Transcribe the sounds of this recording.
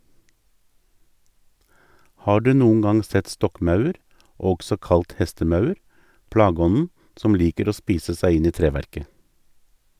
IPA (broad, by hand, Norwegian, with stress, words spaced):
ˈhɑː ˈɖʉː ˈnuːŋ̍ ˈɡɑŋ ˈsɛt ˈstɔkˌmɑʉəɾ ˈɔɡsɔ ˈkɑlt ˈhɛstəˌmɑʉəɾ ˈpɽɑːˌɡɔnn̩ ˈsɔm ˈliːkəɾ ˈoː ˈspiːsə ˈsæɪ ˈɪn ˈiː ˈtɾeːˌʋæɾkə